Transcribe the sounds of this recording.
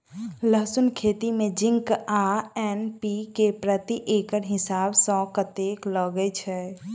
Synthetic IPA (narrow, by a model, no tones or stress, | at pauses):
ləɦsunkʰet̪imẽd͡ʒĩŋkaɛnpikepɾət̪iʔekəɾɦɪsabsɔ̃kət̪ekləɡɛt͡ʃʰɛ